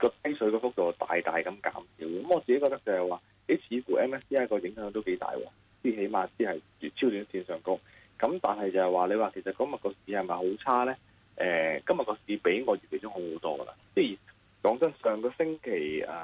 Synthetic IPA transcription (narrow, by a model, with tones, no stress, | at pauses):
kɔː˧t̪ɐ˥jsɵ˨˥kɔː˧fʊ˥k̚t̪o˨wt̪a̰ː˨jt̪a̰ː˨jkɐ˨˧˥mka̰ː˨˥msiː˨˥wkɐ˨˦mɔː˨˧t͡si˨ke˦˥kɔː˧kt̪k̚t͡sɐ˨˩hɐ˨˩jwaː˨˩ | le˨˥t͡sʰiː˨˥kuː˨˩ʔɛː˥mɛː˥siː˥aː˥kɔː˧jɪ˨˥ŋɦœː˨˥ŋt̪o˥wke˨˥jt̪a̰ː˨jwɔ̰ː˨˧ | t͡si˥i˨˩ɦe˨˥jmaː˧t͡siː˥hɐ˨j | yː˨t̚t͡sʰiː˥wt̪yː˨˥nsiː˧nsœː˨˩ŋkʊ˥ŋ | kɐ˨˥mt̪aː˨˩nɦɐ˨jt͡sɐ˨˩hɐ˨jwaː˨le˨˧waː˨kʰe˨˩sɐ˨t̚kɔː˥mɐ˨t̚kɔː˧siː˨˥hɐ˨jmɐ˨jɦo˨˥wt͡sʰaː˥lɛː˥ | ʔɛː˨kɐ˥mjɐ˨t̚kɔː˧siː˨˧pe˨˥jŋɔː˨˧ɥyː˨tkʰe˨˩t͡sʊ˥ŋho˨˥who˨˥wt̪ɔː˥ɡə̰˨la̰˧˨sɛː˥jiː˨˩ | kɔː˨˥ŋt͡sɐ˥nsœː˨ŋkɔː˧sɪ˥ŋkʰe˨˩jɛː˨